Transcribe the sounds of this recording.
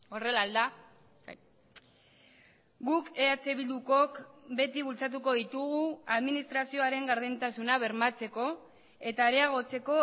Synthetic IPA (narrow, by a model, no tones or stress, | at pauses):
o̞re̞lald̪a | ɡuke̞at͡se̞βild̪uko̞kbe̞t̪iβult͡sat̪̬uko̞ð̞it̪uɣuaðminist̪ɾasio̞aɾe̞ŋɡaɾðent̪asunaβ̞e̞ɾmat͡se̞ko̞ | e̞t̪aːɾeaɣ̞o̞t͡se̞ko̞